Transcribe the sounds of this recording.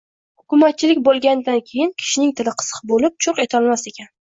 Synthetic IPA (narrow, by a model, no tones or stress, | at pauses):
hʊkʲʊmat̪̚t͡ʃʰɪlɪkʲbolˠɡʲand̪ankʲʰe̞jɪnkʲʰɪ̥ʃɪnɪŋt̪ʰɪlɪqʰɨ̥sɨ̥qbolɪp̚t͡ʃʰʊɾqe̞t̪ʰɒlˠmase̞kʲʰan